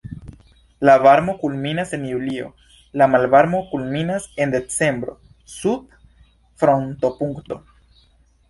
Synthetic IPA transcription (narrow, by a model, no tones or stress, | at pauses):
lavaɾmo̞kulminase̞njulio̞̰ | lamalvaɾmo̞kulminase̞nd̪e̞t͡se̞mbɾo̞̰ | sub̚ | fɾo̞nt̪o̞puŋkt̪o̞